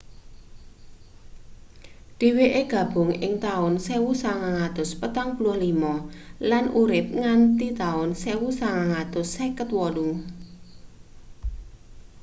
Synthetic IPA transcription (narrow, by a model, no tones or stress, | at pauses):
d̪̥i̤weʔeɡ̥a̤b̥ʊŋɪ̰ŋt̪aʊnsewusaŋaŋat̪ʊspət̪aŋpulʊhlimɔlanuɾɪp̚ŋant̪it̪aʊnsewusaŋaŋat̪ʊsːɛkət̪wɔlʊŋ